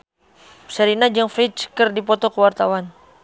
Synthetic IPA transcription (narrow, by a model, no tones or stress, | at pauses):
səɾinad͡ʒəŋfɾit͡ʃkərdipɔt̪ɔkəwart̪awan